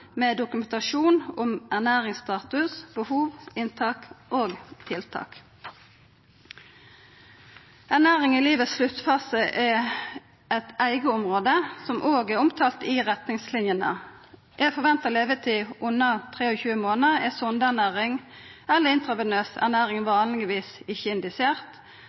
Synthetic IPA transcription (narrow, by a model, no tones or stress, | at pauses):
meːd̪ʊkʉmɛnt̪ɑʃuːnɔmæʁnæːʁɪŋst̪ɑːt̪ʉsb̥əhuːʋɪnt̪ʰɑːkʔoːɡt̪ʰɪlt̪ʰɑ̰ːk | ænæːʁɪŋiliːʋəsʃlʉt̪fɑsəʔɛ | ɛt̪æɪɡəɔmʁoːd̪əsɔmʔoːɡɛʊmt̪ʰɑːlt̪ɪʁɛt̪nɪŋslɪnjənə̰ | jʔæɪfɔʁʋɛnt̪əʁleːʋət̪ʰiːʔʊnːət̪ʰʁeːɔçʉːəmoːnəɛsɔnd̪əæʁnæːʁɪŋ | ɛlːəɪnt̪ʁɑʋənøːsæ̰ʁnæːʁɪŋʋɑːnlɪɡɪʋiːsɪçəɪnd̪ɪsɪeːʁt̪